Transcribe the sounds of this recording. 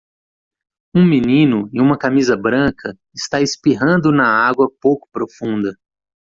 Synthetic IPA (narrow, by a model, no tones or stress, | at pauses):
ũmĩnĩnʊĩũmɐkamizɐbɾɐ̃kʰɐ | ɪst̪aɪspiɦɐ̃nd̪ʊnɐaɡwɐpowkʊ̥pɾofũnd̪ɐ